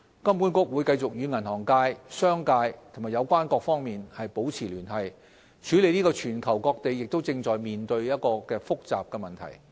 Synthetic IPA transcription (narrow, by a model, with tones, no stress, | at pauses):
kɐ˥mku˨˥nkʊ˥k̚wu˨˧jkɐ˧jt͡sʊ˨k̚jyː˨˧ŋɐ˨˩nhɔː˨˩ŋkaː˧jsœː˥ŋkaː˧jt̪ʰo˨˩maː˨˩jɐ˨˧wkʷaː˥nkɔː˧k̚fɔː˥ŋmiː˨nhɐ˨jpo˨˥wt͡sʰiː˨˩lyː˨˩nhɐ˨j | t͡ʃʰyː˨˥le˨˧jniː˥kɔː˧t͡ʃʰyː˨˩nkʰɐ˨˩wkɔː˧k̚t̪e˨jːɪ˨k̚t̪o˥wt͡sɪ˧ŋt͡sɔː˨˩jmiː˨nt̪ɵ˧ɥjɐ˥t̚kɔː˧kɛː˧fʊ˥k̚t͡sa̰ː˨p̚kɛː˧mɐ˨˩nt̪ʰɐ̰˨˩j